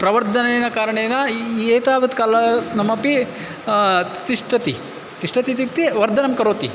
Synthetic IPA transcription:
pɾɐʋɐɾd̪ʱɐneːnɐkaːɾɐɳeːnɐeːt̪aːʋɐt̪kaːlɐnɐmːɐpi | t̪iʂʈɐt̪ḭ | t̪iʂʈɐt̪it̪it̪ːiʋɐɾd̪ʱɐnɐmkɐɾoːt̪ḭ

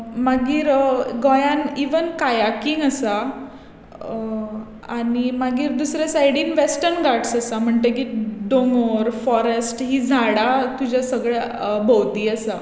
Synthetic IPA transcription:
maɡiːɾɡɔjãniʋənkajakiŋəsa | a̰ɽ̃imaɡiːɾd̪usɾjasajɽiːnʋesʈəɾnɡaʈsasam̤əɳt̪ek̬iɖoŋɡoɾfɔɾesʈɦiːd͡zʱaɽat̪ud͡ʑʱjasəɡɭabʱɔwd̪iːəsa

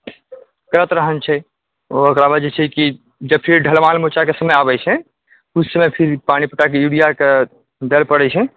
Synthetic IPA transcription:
kəɾət̪ɾəɦənt͡ʃʰɛ | ookɾabəd͡ʒɛt͡ʃʰɛki | d͡ʒəb̚pʰiɾɖʱəlmalmot͡ʃakesəməjabɛt͡ʃʰɛ | usːəmepʰiɾpañipəʈːakeuɽijake | d̪elpəɽɛt͡ʃʰɛ

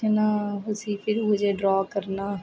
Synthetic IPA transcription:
ənaːɦʊsiːpʰɪɾʊd͡ʒeːɖɾɔːkəɾnaː

